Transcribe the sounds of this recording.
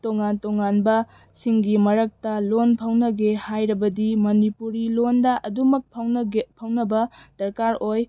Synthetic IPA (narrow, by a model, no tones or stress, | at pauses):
toŋantoŋanbɐ | siŋɡimɐɾɐk̚tɐlonpʰɐwnɐɡehajɾɐbɐdimɐnipuɾilondɐʔɐdumɐk̚pʰɐwpʰɐwnɐbɐd̥ɐɾkaɾoj